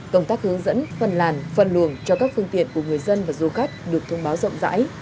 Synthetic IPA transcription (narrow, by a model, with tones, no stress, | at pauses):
kə˧wŋ͡mt̪aː˦˥k̚hɨ˨˦əŋzə̰˧˥nfə˨˩nlaː˨˩nfə˨˩nlu˨˧˩əŋt͡ɕɔ˧kaː˦˥k̚fɨ˧əŋt̪ḭ˧˨ənku˧˩əŋɨ˨˩əjzə˧nvaː˨˩zu˨˧xa˦˥jk̟̚ɗɨ˨˩ək̚t̪ʰə˧wŋ͡mɓaː˨˦wzə̰˧˨wŋ͡mza̰ː˧˥j